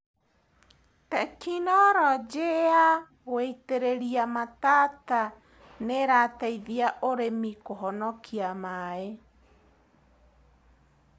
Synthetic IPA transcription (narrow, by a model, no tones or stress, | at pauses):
t̪akinɔɾɔd͡ʒea | ɣweit̪eɾeɾiamat̪aːt̪a | neɾaːt̪aiðiaʔoɾemikoɦɔnɔkʰiamae